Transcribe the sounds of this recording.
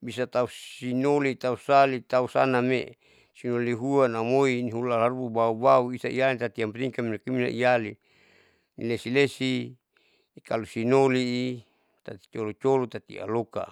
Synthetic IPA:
bisat̪auinolit̪ausalit̪ausanamḛ | sinoliɦuanamoiniɦulalaɾuubaubauisaijalit̪at̪iampɾiŋkaminakimina̰ʔijali | nḭlesilesi | kalusinoliː | t̪at̪i̥t͡ʃolot͡ʃolot̪at̪ḭa̰loka̰

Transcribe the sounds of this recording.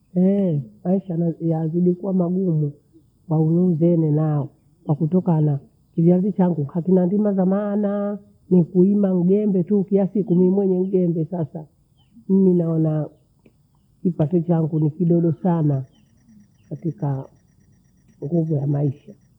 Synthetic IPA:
ɛmaiʃajaziɗikuwamaɡumu | waunuzɛnɛnaɔ | kwakutɔkana | kid͡ʒazit͡ʃaŋɡuhakinandimazamaːna | nikuimaŋ̩ɡɛmbɛtukilasikumimwɛɲɛŋ̩ɡɛmbɛsasa | n̩minaɔna | kipatɛt͡ʃaŋɡunikiɗɔɗɔsana | katika | ŋɡuvujamaiʃa

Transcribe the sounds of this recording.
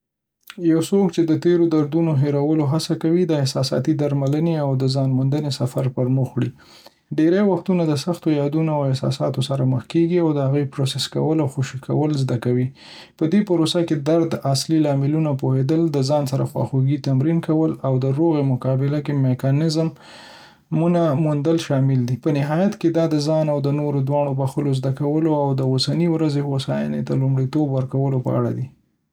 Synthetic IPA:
jawsokt͡ʃed̪ət̪eɾod̪aɾd̪unoɦeɾawəloɦasakawid̪əɪhsɑsɑ̰t̪id̪aɾmaləneawd̪əzɑnmʊnd̪ənesafaɾpəɾmʊxɽi | ɖeɾajwaxt̪unad̪əsaxt̪ojɑd̪unoawɪhsɑ̰sɑt̪osaɾaməxkeɡiawd̪əhaɣəjpɾosɛska̰wəlawxoʃikʰa̰wəlzd̪akawi | pəd̪epaɾosaked̪aɾd̪aslilɑmɪlunapohed̪əld̪əzɑnsaɾaxwɑ̰xuɡit̪amɾinkawəlawd̪əɾoɣemʊkɑbɪlakemekɑnɪzm | munamund̪əlʃɑmɪld̪ipənɪɦɑjat̪ked̪ɑd̪əzɑnawd̪ənoɾod̪wɑɳ̃obaxəlozd̪akawəloawd̪əosaniwɾazehosɑja̰net̪alumɽit̪obwəɾkawəlopə̰a̰ɽa̰d̪i

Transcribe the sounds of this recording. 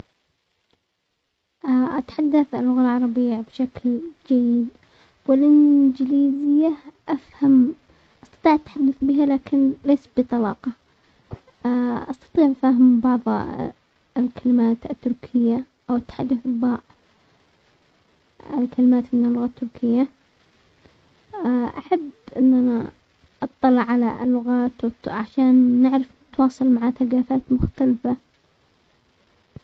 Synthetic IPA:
ʔaʔat̪ħad̪ːaθalːʊɣalʕɑɾˤɑbɪjːabʃakld͡ʒajːɪd̪ | wɪlʔɪnd͡ʒɪliːzɪjːaʔafham | ʔɑst̪ɑ̥t̪ˤiːʕʔat̪ħad̪ːaθbɪɦalaːkɪnleːsbɨt̪ˤɑlɑ̰ːqɑ | ʔɑst̪ɑ̥t̪ˤiːʕʔafaːɦɪmbɑʕðˤ | ɪlkalɪmaːt̪ɪt̪ːʊɾkʰɪjːa | ʔawɪt̪ːḁħad̪ːɪθbːaːʔ | ɪ̰lkalɪmaːt̪mɪnɪlːʊɣaːt̪ːʊɾkʰɪjːa | ʔaħabːʔɪnːana | ʔɑt̪ˤːɑlːɑʕala̰ʔɪ̰lːʊɣaːt̪wʕaʃaːnːɪʕɾɪf | t̪wɑːsˤɑlmaʕaθaɡaːfaːt̪mʊxt̪alfa

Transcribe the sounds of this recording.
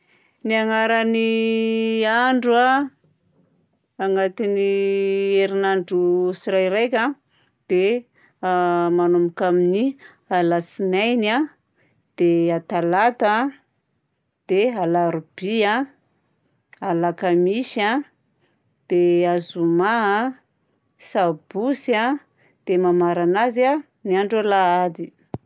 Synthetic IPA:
niaŋaɾani | aɳɖ͡ʐua | aŋɡat̪inieɾinaɳɖ͡ʐusiɾajɾajkʲa | d̪̥e | manumukamini | alasinajna | d̪̥eat̪alat̪a | d̪̥ealaɾub̥ia | alakamiʃa | d̪̥eazumaa | sab̥usia | d̪̥emamaɾanaza | niaɳɖ͡ʐalaad̪i

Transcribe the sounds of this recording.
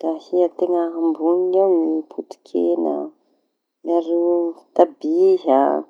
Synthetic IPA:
d̪̥ahiət̪eŋəɦambuniawnipʰut̪i̥kʰenə̰ | naɾe̥t̪abiɦa

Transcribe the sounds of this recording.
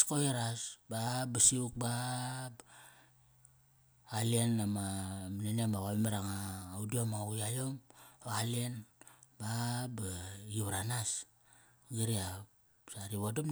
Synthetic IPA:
skojeɾasbabasiuk̚ba | alienamaminaniamaɣaimeɾaŋaːudiamaɣiajomoalienbabajuβaɾanas | ɡiɾia | saɾiβodum

